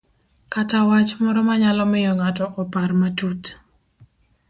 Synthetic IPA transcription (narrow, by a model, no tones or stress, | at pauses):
katawat͡ʃmɔɾɔmaɲalɔmɪjɔŋatɔʔɔparmatut